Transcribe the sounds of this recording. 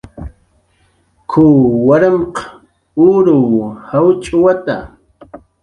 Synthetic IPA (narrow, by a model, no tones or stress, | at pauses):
kʰʊːwaɾamqɑ | uɾʊwhawt͡ʃʼʊwat̪a̰